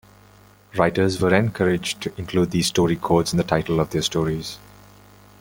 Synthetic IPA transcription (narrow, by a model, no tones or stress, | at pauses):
ɹaɪʈəzʋəɾɛ̃nkʰʌɾɪd͡ʒʈʰuɪ̃nkʰluːd̪̚diːsʈɔːɾikʰoːtsɪ̃nd̪əʈʰaɪʈəl̩ɔvd̪ɛstʈɔːɾiz̥